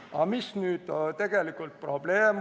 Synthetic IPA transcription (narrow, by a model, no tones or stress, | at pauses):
ɑmisnyːd̪̥t̪e̞ɡ̥e̞likːˑult̪̚pro̞b̥le̞ːm